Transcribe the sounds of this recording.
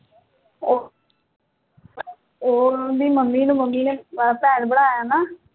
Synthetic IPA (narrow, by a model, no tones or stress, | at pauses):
o | oːɾbiːməmːiːnũːməmːiːneːbaapɛːɾbəɽaːjaːnaː